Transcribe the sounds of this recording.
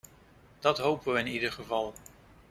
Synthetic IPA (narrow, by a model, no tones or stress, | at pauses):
d̥ɑtɦowpəʋəɪnidəɹχəvɑlˠ